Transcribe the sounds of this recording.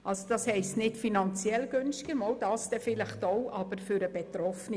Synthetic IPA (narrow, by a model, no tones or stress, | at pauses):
ʔɑlsod̥ɑshɛɪstnɪtfinɑnt͡sjɛlɡ̥ønstɪɡ̥əmɔwd̥ɑːsd̥ɛfɪlɪχtoʊʔɑb̥əɾfʏɾəbɛtɾɔfni